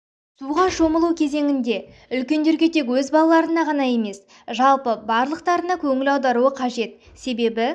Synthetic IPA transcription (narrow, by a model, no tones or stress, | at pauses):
suʁɑʒo̞məlˠukʲʰeze̞ŋɪnd̪e̞ | ʏlkʲe̞nd̪e̞ɾɡʲe̞t̪ʰe̞kwɵzbɑlˠɑlˠɑɾənɑʁɑnɑje̞me̞s | ʒɑlˠpəbɑɾlˠəq̚t̪ɑɾənɑkʲʰɵŋɪlɑwd̪ɑɾuəqʰɑʒe̞t̪ | se̞be̞bɪ